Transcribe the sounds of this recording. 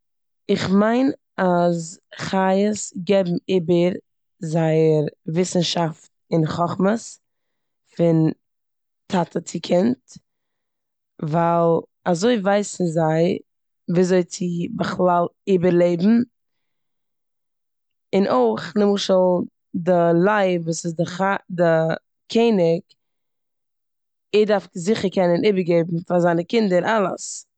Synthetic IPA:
ɪχmaɪn | azχajəsɡɛbm̩iːbəɾ | zaɪəɾvɪsn̩ʃaft | ɪnχɔχməs | fɪn | tʰatʰət͡sɪkʰɪnt | valˠ | azoɪvaɪsn̩zaɪ | viːzoɪt͡sɪbəχlˠalˠiːbəɾlˠeɪbm̩ | ɪnʔoɪχnɪmʊʃəlˠ | dɪlˠaɪvuːsɪzdɪχadɪ | kʰeɪnɪk | ɪdaɾfzɪχəɾkɛnəniːbəɾɡeɪbm̩fazaɪnəkɪndəɾʔalˠə̰s

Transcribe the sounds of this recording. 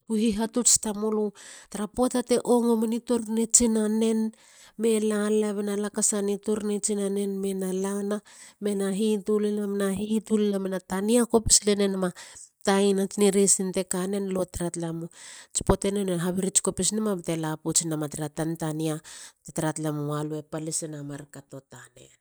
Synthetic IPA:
uɦiɦatut͡ʃtamolutaɾapotate̞ʔoŋomenituɾnet͡ʃinane̞n | me̞lalaβenalakasanituɾnet͡ʃinane̞nme̞nalana | me̞naɦitulenamenaɦitulinamenataniako̞pislenenamatajnat͡ʃiniɾesinte̞kane̞nlo̞tɾatlamut͡ʃi̥po̞te̞neneɦaβiɾit͡ʃi̥kopisnemabte̞laput͡ʃinamatɾatantaniatetaɾatlamualuepalisinamaɾkato̞tane̞̰n

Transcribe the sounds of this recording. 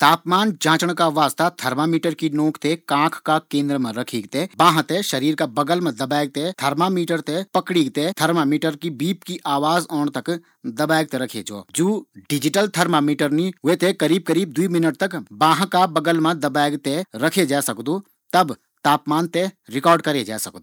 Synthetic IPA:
t̪aːpmaːnd͡ʒãːt͡ʃəɽ̃kaʋaːst̪ʰat̪ʰɐɾmamiːʈəɾkinõːkʰt̪ekãːkʰkakẽːnd̪ɾəmãɾɐkʰiːɡt̪ebãːɦãt̪eʃɐɾiːɾkabɐɡəlmãd̪ɐbaːɪɡ̚t̪et̪ʰɐɾmamiːʈəɾt̪epɐkɽiːɡt̪et̪ʰɐɾmamiːʈəɾkibiːpkiʔaːʋaːzɔːɳt̪ɐk | d̪ɐbaːɡ̚t̪eɾɐkʰḛd͡ʒɔ̰ːd͡ʒoːɖɪd͡ʒɪʈəlt̪ʰɐɾmamiːʈəɾniet̪ʰekɐɾiːb̚kɐɾiːb̚d̪uimɪnəʈ̚t̪ɐkbãːɦãkabɐɡəlmãd̪ɐbaːɡt̪eɾɐkʰed͡ʒaːsɐkd̪uː | t̪ɐb | t̪aːpmaːnt̪eɾɪkɔːɾɖkɐɾed͡ʒa̰ːsɐk̚d̪u

